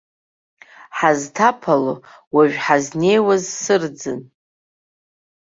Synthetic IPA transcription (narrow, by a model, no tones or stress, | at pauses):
ħaztʰapʰalo | waɥᶣħazne̞jwazsɨrd͡zɨn